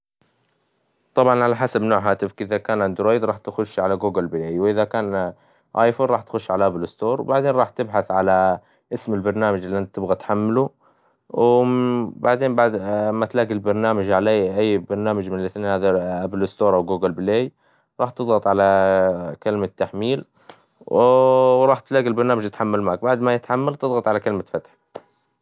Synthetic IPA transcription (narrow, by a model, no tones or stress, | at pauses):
t̪ˤɑbʕɑnʕalaħasabnoːʕɦaːt̪ɪfkʔɪðakaːnʕɪnd̪ʊɾoːjd̪ɾˤɑːħt̪xʊʃːʕalaɡuːɡɪlbɪleːjwʔɪðakaːn | ʔaːjfoːnɾˤɑːħt̪xʊʃːʕalaʔablɪst̪oːɾˤwbaʕd̪eːnɾˤɑːħt̪ɪbħaθʕala | ʔɪsmɪlbɑɾˤnaːmad͡ʒɪlːiʔant̪ɪbɣat̪ħamːɪlu | w | baʕd̪eːmbamat̪laːɡilbɑɾˤnaːmad͡ʒʕalaːʔajːbɑɾˤnaːmad͡ʒmɪnɪlʔɪθneːnhaːðaʔablɪst̪oːɾˤʔawɡuːɡɪlbɪleːj | ɾˤɑːħt̪ɨðˤɣɑt̪ˤʕalakalmat̪ːaħmiːl | wɾˤɑːħt̪laːɡilbɑɾnaːmad͡ʒɪt̪ħamːalmaːk̚baʕd̪majɪt̪ħamːalt̪ɨðˤɣɑt̪ˤʕalakalmafat̪ħ